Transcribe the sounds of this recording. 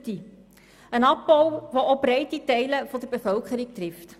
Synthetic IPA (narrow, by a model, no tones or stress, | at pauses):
ti | ənɑpːɔwvoʔobɾɛɪtitɛɪləfɔdəɾbefœlkχəɾɪk̚tɾɪft